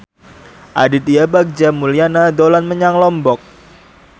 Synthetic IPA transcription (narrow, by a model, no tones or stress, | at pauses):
ʔadit̪ijabak̚d͡ʒamulianadolanməɲaŋlɔmbɔk̚